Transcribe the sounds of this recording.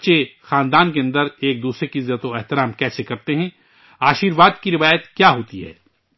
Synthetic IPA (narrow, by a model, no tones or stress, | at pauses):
t͡ʃexãːnd̪aːnkeɐ̃nd̪əɾeːk̚d̪uːsɾekiɪzːət̪oɛɦt̪ɪɾaːmkɛːsekɐɾt̪eɦɛ̃ː | aːʃiːɾʋaːd̪kiɾɪʋaːjət̪kjaːɦoːt̪iɦɛ̰ː